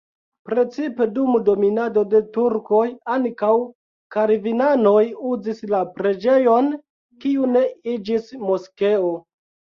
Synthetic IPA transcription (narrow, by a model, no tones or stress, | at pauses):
pɾe̞t͡sipe̞dumdo̞minado̞de̞tuɾko̞jaŋkaw | kaɾvinano̞juzislapɾe̞d͡ʒe̞jo̞n | kiune̞id͡ʒismo̞ske̞o